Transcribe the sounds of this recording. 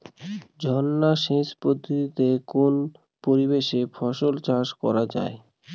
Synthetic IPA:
d͡ʑʱɔnːaʃeʃpod̪ʱːot̪it̪ekon | poɾibeʃefʰɔʃolt͡ɕaʃkɔɾad͡ʑa̰e

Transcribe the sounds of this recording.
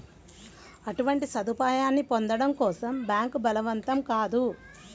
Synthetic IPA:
ɐʈuʋɐɳʈisɐd̪upaːjaːnːipond̪ɐɽɐmkɔːsɐmbjaːŋkubɐlɐʋɐnt̪ɐmkaːd̪u

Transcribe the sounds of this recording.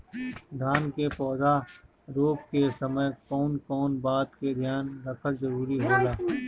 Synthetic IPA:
d̪ʱaːnkepɔːza | ɾoːpkesɐməjkɔːnkɔːnbaːt̪ked̪ʱjaːnɾɐkʰəɾzɐɾuːɾiɦoːɡaː

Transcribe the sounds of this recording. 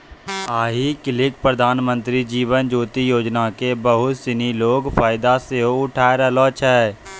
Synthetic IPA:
aːɦikɪlɪkpɾəd̪ʱaːnmə̃nt̪ɾid͡ʒiːʋənd͡ʒoːt̪ijoːd͡ʒnakebəɦʊt̪sɪniloːɡfaːɪd̪aseoʊʈʰaːeɾɛlɔːt͡ʃʰɛː

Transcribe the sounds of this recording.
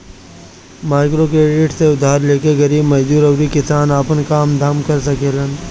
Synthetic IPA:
maːɪkɾokɾeːɖɪʈseʊd̪ʱaːɾleːkeɡɐɾiːbmɐd͡ʒd͡ʒ̪uːɾɐwɾikɪsaːnaːpənkaːmd̪ʱaːmkɐɾsɐkeːlən

